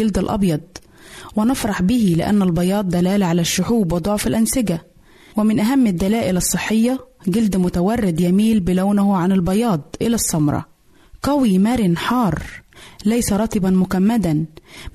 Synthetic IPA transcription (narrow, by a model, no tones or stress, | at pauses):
ɪld̪ɪlʔɑ̰bjɑd̪̚ˤ | wɪnɑfɾˤɑħbɪhilɪʔæ̰nːælbɑjɑːd̪̚ˤːælæːlʕalæʃːʊħuːbwɪd̪ˤoʕfɪlʔænsɪɡæ | wɪmɪnʔæɦæmːɪd̪ːælæːʔɪlɑsˤːɨħːɪjːɑɡɪld̪mʊt̪æwɑrˤːɪd̪jæmiːlbɪlawnʊɦʊʕanɪlbɑjɑːd̪ˤʔɪ̰læsˤːɑmɾˤɑ̰ | qɑwimæɾɪnħɑːɾˤlæjsæɾˤɑt̪ˤibænmʊkæmːæd̪æn